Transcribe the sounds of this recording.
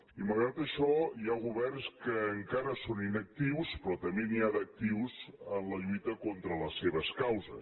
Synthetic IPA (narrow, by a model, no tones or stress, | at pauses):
iməlɣɾat̪əʃɔiaɣuβɛrnskəːŋkaɾəsoninək̚t̪iwspɾɔt̪əmbeniad̪ək̚t̪iwzənləʎujt̪əkont̪ɾələseβəskawzəs